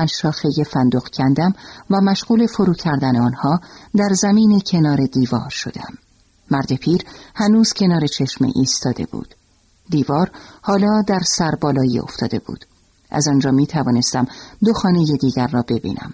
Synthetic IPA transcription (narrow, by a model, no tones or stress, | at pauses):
ænʃɒːxeje̞fænd̪oɣcʰænd̪æmvæmæʃɣuːle̞fo̞ɾuːcʰæɾd̪æneɒːnhɒːd̪æɾzæmiːnecʰe̞nɒːɾe̞d̪iːvɒ̰ːɾʃo̞d̪eæmː | æɾd̪e̞pʰiːɾhænuːz̥cʰe̞nɒːɾe̞t͡ʃʰe̞ʃmḛʔiːst̪ɒːd̪e̞̰bṵːd̪̥ | d̪iːvɒːɾhɒːlɒːd̪æɾsæɾbɒːlɒːjḭo̰ft̪ʰɒ̰ːd̪e̞̰bṵːd̪̥ | ʔæ̰zɒnd͡ʒɒːmiːt̪ʰævɒːne̞st̪æmd̪o̞xɒːne̞jed̪iːɟæɾːɒːbe̞bḭːnʔæ̰m